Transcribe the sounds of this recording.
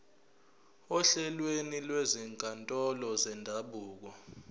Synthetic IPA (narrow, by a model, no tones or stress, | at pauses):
ɔɬɛlwenilwɛziŋkʼantʼɔlɔzɛndʱaɓuːk̬ɔ